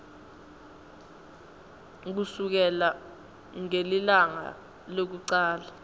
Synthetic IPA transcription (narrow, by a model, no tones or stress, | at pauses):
k̬usuk̬ɛla | ŋelilaŋa̰ | lok̬uǀaːla